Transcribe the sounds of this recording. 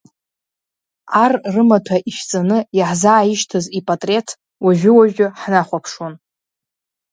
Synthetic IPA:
arrɨmatʰaʔiʃt͡sʼanɨjaħzaːiʃtʰɨzipʼatʼre̞tʰ | waʒᶣʊwaʒᶣʊħnaχʷapʰʂon

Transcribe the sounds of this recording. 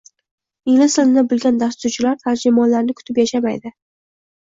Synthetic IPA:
ɪlɪsɪlɪnabɪlɡʲand̪ast̪ʊɾt͡ʃʰɪlaɾt̪ʰaɾd͡ʒɪmɒnlaɾnɪkʰʊ̥t̪ʰɪpjaʃamajd̪ɪ

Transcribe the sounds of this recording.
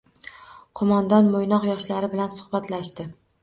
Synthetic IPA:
qʰomɒnd̪ɒnmojnɒqjɒʃlaɾɪbɪlansʊhbat̪laʃt̪ɪ

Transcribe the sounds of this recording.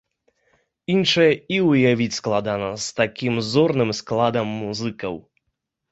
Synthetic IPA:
inʂɐjɐiwjavʲit͡sʲsklˠad̪anɐst̪akʲimzɔrnɨmsklˠad̪ɐmːuzɨkɐ̰w

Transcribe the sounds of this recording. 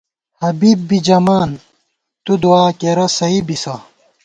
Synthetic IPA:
hɐbibːid͡ʑɐmaːn | t̪ud̪uaːkeɾɐsɐibisɐ

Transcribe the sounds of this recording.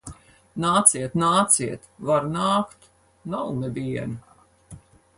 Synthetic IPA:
naːt̪siɛt̪naːt̪siɛt̪vaɾnaːkt̪ | nawnɛbʲiɛni

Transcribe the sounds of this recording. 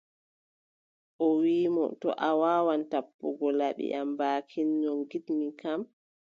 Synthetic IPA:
ʔɔwiːmɔ̰tɔ̰ʔawaːwantapːuɡɔlaɓḭambaːkʰinːɔŋɡitmikam

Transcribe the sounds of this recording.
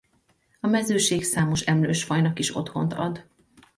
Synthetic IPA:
ɒmɛzøːʃeːksaːmo̞ʃɛmløːʃfɒjnɒkiʃo̞̰t̪ho̞̰nt̪ɒ̰d̪

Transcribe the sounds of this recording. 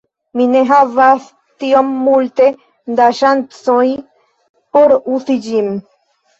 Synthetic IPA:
mineɦavaθ | t̪iomːult̪e | d̪aʃant̪sõj | poɾuθid͡ʒim

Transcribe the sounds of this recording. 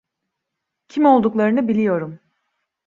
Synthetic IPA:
cʰimo̞lˠd̪uklˠaɾɯnɯbilʲijo̞ɾum

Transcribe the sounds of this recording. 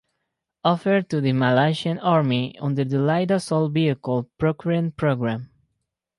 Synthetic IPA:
ɔfəɹ̚t̪uðəmalaʃiãnɑɹmiɔ̰̃nd̪əɹðəlajdəsɔlˠviəkɔld̚pɹokɹiə̃npɹoɡɹãm

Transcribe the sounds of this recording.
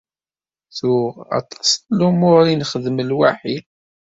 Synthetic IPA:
θʊɑ̰t̪ˤɑ̥sˤlumʊɾinχəðməlwaħi

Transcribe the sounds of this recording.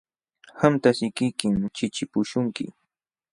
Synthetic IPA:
hamt̪asɪkɪjkɪmt͡ʃɪt͡ʃɪpʊʃʊŋkɪ̰

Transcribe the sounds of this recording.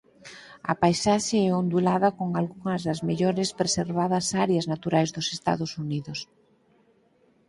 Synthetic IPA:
ɐ̰pajsaʃeɛond̪ulaðɐkoŋalɣuŋɐzðɐzmeʎɔɾɪspɾeseɾβaðɐsaɾeɐznat̪uɾajzðʊse̥st̪a̰ðʊsuniðʊs

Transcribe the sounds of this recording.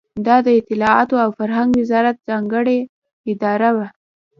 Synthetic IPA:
d̪ɑd̪əɪt̪ɪlɑɑt̪oawfaɾɦaŋɡwɪzɑɾat̪̚z̥ɑŋɡəɽe | ɪd̪ɑɾawa

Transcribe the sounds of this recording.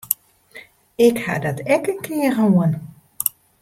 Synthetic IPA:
ɪkha̰dɔtɛkəŋkʰɪəɣəuən

